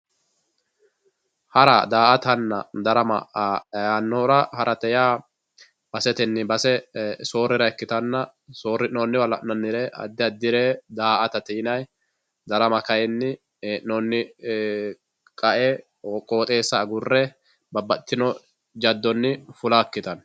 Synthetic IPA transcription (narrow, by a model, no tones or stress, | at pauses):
hɐɾɐd̪aːʔɐt̪ɐnːɐ̰d̪ɐɾɐmɐ̰anːoɾɐhɐɾʔɐt̪ɛjaː | b̥ɐsɛt̪ɛnːɪbɐsɛso̞ːɾɪɾɐɛkːɪt̪ɐnːɐ | soːɾɪnɔnːɪwɐlɐ̰ʔnɐnːɪɾɛʔɐ̰d̪ːɪɐd̪ːɪɾed̪aːʔɐt̪ɐt̪ɪːnɐj | d̪ɐɾɐmɐkɐjɛnːɪ | eʔnɔnːɪ | kʼɐʔɛ | okʼːoːt̪ʼe̞ːsːɐːɡʊrːɛ | bɐbːɐt̪ːɪnɔ | d͡ʒɐd̪ːɔnːɪfʊlakːɪt̪ɐn